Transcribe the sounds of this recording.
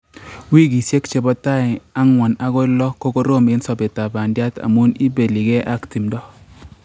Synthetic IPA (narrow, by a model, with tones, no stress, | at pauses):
wi˦ɡi˨sje˦kt͡ʃe˨bɔ˦ta˦ɪ˨a˦ŋwɔ˨na˦ɡɔ˦lɔ˦ko˦ko˦ɾo˦me˦nsɔ˨be˨ta˨ba˨ndja˦ta̰˨mu˦ni˦be˨li˨ɡe˦ʔa˦kti˨mdɔ˦